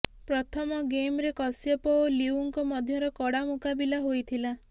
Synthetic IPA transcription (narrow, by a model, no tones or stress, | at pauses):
pɾɔt̪ʰɔmɔɡemɾekɔsjɔpɔwliuŋkɔmɔd̪ʱjɔɾɔkɔɽamukabilaɦojt̪ʰila